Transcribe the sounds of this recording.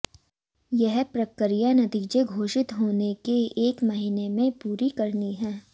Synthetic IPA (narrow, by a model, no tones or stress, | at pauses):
jɛɦpɾɐkːɾijanɐt̪iːd͡ʒeɡʱoːʃɪt̪ɦoːnekeeːkmɐɦinemẽpuːɾikɐɾniɦɛ̃ː